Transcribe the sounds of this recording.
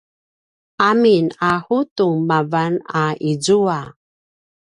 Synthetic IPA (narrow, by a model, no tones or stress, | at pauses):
aminahutumavanaizua